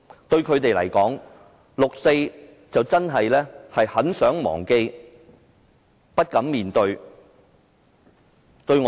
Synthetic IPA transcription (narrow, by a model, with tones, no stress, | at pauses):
t̪ɵ˧ɥkʰɵ˨˧ɥt̪e˨jlɐ̰˨˩jkɔː˨˥ŋ | lʊ˨k̚se˧j | t͡sɐ˨wt͡sɐ˥nɦɐ˨jlɛː˥hɐ˨jhɐ˨˥nsœː˨˥ŋmɔ̰ː˨˩ŋke˧j | pɐ˥t̚kɐ˨˥mmiː˨nt̪ɵ˧ɥ | t̪ɵ˧ɥŋː˨